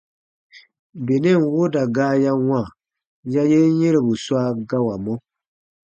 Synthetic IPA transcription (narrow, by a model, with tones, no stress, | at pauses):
be˨ne˦˨n˨wo˦da˨ɡaː˦ja˦wã˦˨ | ja˦je˦je˦ɾe˨bu˨swa˦ɡa˦wa˨mɔ˦